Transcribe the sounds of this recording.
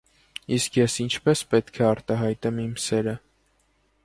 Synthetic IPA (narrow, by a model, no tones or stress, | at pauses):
iskʰjɛsint͡ʃʰpɛspɛt̪kʰɛɑɾt̪ɑɦɑjt̪ɛmimsɛɾə